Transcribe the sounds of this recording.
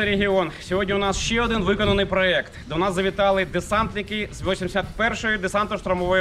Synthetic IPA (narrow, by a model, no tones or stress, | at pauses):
ɾeɦʲiɔnsʲɔɦɔdʲnʲiʊnɑsʃt͡ʃɛɔd̪ɪnʋɪkɔnɐnɪjpɾɔɛkt̪d̪ɔnɑzɐʋʲɪt̪ɑlˠɪd̪esɑnt̪nʲɪkɪzʋʲlˠɔsʲimʲsʲat̪pɛrʃɔjʊd̪esɑnt̪ɔʃt̪ɾɐmɔʋɔj